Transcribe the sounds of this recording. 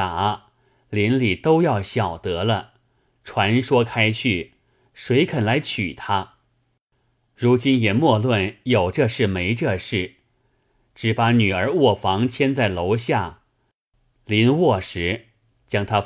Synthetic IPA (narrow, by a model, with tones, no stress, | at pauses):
a˨˩˦ | li˧˥nli˨˩t̪o˥ʊjɑ˥˩ʊɕjɑ˨˩ʊt̪ɤ˧˥lə˧ | ʈ͡ʂʰwa˧˥nʂwɔ˥kʰa˥ɪt͡ɕʰy˥˩ | ʂwe˧˥ɪkʰə˨˩nla˧˥ɪt͡ɕʰy̰˨˩t̪ʰa˥ | ɻu˧˥t͡ɕi˥njɛ˨˩mwɔ˥˧lwə˥˩njo˨˩ʊʈ͡ʂɤ˥˧ʂɻ̩˥˩me˧˥ɪʈ͡ʂɤ˥˧ʂɻ̩˥˩ | ʈ͡ʂɻ̩˧˥˩pa˧˥ny˨˩ə˞˧˥wɔ˥˩fɑ˧˥ŋt͡ɕʰjɛ˥nt͡sa˥˩ɪlo˧˥ʊɕja˥˩ | li˧˥nwɔ˥˩ʂɻ̩˧˥ | t͡ɕjɑ˥ŋt̪ʰa˥